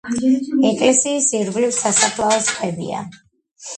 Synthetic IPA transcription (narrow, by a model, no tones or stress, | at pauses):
ɛkʼlɛsiːsiɾɡlivsasaχlˠaɔsχʰʼɛbḭa̰